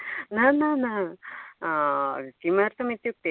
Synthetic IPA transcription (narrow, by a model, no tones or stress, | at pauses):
nanana | kimaɾt̪ɐmit̪juk̚t̪e